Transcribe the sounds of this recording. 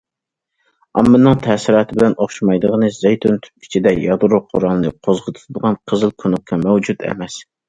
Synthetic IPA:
ɑ̰mːɨnːɨŋt̪ʰɛːsɪɾɑːt̪ʰɪbɪlɛnoχʃɑmɑjd̪əʁənɨzejt̪ʰunt̪ʰy̥i̥t͡ʃʰid̪ɛjɑd̪ɾʊqʰʊɾɑlˠnɨqʰozʁət̪ʰu̥t̪ʰud̪əʁɑnqʰəzɨlˠkʲʰonukʲkʰːɑmɛwd͡ʒud̪ɛ̰mɛs

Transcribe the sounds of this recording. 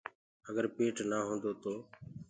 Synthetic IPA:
əɡəɾpeːʈnaːɦõːnd̪oːt̪oː

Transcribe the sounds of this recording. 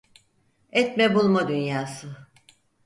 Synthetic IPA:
ɛt̪mɛbulˠmad̪ynjaːsɯ

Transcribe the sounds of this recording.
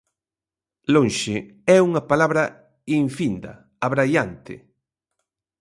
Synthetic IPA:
lõnʃɪɛuŋɐpalaβɾɐ | iɱfind̪ɐ̰ | aβɾajant̪ɪ̰

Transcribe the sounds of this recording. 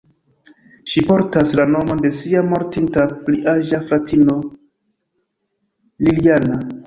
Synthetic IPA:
ʃipo̞ɾtaslano̞mo̞nde̞siamo̞ɾtintapliʔaʒaflatino̞ | liliana

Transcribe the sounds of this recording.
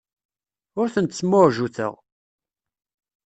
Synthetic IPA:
ʊɾθənt̪smoɾʒuθə̰ʁ

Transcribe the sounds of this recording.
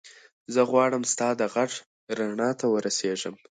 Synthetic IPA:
zəɣwɑɽəmst̪ɑd̪əɣaʈ | ɾaɳɑt̪awəɾaseʐəm

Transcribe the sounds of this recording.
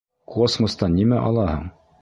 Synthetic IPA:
kʰosmŏst̪ɑnːimæʔɒ̰lˠɑhɤ̰ɴ

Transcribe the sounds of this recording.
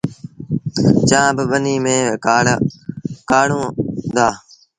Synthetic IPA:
t͡ʃãːbɪɓəniːmẽː | kaːɽõːd̪aː

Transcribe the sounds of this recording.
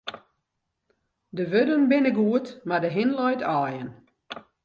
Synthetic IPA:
dəʋødənbɪnəɡuətmadəɦɪnlɔjtʰɔːjən

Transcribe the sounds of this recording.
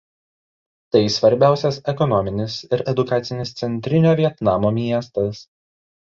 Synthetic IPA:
t̪ɐɪsʋɐɾʲbʲæˑʊsʲɛsɛkɔnɔmʲɪnʲɪsɪɾɛd̪ʊkɑːt̪sʲɪnʲɪst̪sʲɛnʲt̪ʲɾʲɪnʲoːʋʲiɛt̪nɑːmoːmʲiɛst̪ɐs

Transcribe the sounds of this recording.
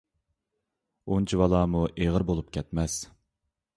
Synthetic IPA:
unt͡ʃʰiwɑlˠɑːmuʔeʁəɾbolˠupkʲʰɛt̪mɛs

